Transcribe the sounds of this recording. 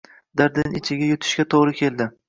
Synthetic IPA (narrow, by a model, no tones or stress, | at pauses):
d̪aɾd̪ɪnɪt͡ʃʰɪɡʲajʊt̪ʰɪ̥ʃɡʲat̪ʰoʁɾɪkʲʰe̞lˠd̪ɪ